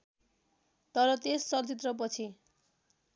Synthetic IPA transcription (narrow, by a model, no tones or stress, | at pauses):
t̪ʌɾʌt̪esːʌt͡sit̪rʌp̬ʌt͡sʰi